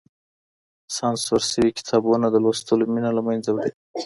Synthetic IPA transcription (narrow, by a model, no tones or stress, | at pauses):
sɑnswaɾsəwikɪ̥t̪ʰɑbunad̪əlost̪əlominalamajnzawɽi